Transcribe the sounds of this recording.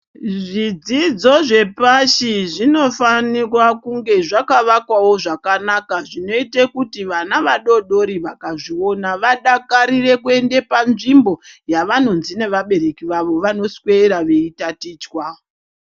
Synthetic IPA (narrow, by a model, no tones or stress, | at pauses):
ʐid͡zid͡zo̞ʐe̞paʃiʐino̞fanirwakuŋɡe̞ʐakaʋakwawo̞ʐakanakaʐino̞itekutiʋanaʋaɗo̞ɗo̞ɾiʋakaʐio̞naʋaɗakaɾire̞kue̞nde̞panʐimbo̞jaʋano̞nzine̞ʋaɓe̞ɾe̞kiʋaʋo̞ʋano̞sweɾaʋe̞itatiːt͡ʃwao